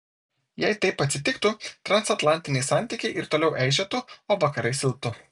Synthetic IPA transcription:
jɛɪt̪ɐɪpɐt̪ʲsʲɪt̪ʲɪkt̪ʊt̪ɾɐnsɐt̪lˠɑˑnʲt̪ʲɪnʲɛɪsɑnʲt̪ʲɪːkʲɛɪʔɪɾt̪oːlʲɛʊʔɛɪʒʲɛt̪ʊoːʋɐkɐɾɐɪsʲɪlˠp̚t̪ʊ

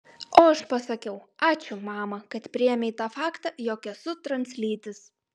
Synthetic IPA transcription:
oːɐʃpɐsɐkʲɛʊɑːt͡ʃʲʊmɑːmɐkɐt̪pʲɾʲɪjɛmʲɛɪt̪ɑːfɑːkt̪ɑjoːkʲɛsʊt̪ɾɐnʲsʲlʲiːt̪ʲɪs

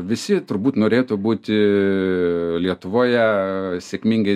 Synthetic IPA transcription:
ʋʲɪsʲɪt̪ʊɾbuːt̪noːɾʲeːt̪ʊːbuːt̪ʲɪ | lʲiɛt̪ʊʋoːjɛsʲeːkʲmʲiŋɡɐɪ

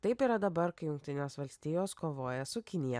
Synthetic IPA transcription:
t̪ɐɪpiːɾɐd̪ɐbɐɾkɐɪjʊŋkt̪ʲɪnʲeːsʋɐlʲsʲt̪ʲiːjoːskoːʋoːjɛsʊkʲɪnʲɪjɛ

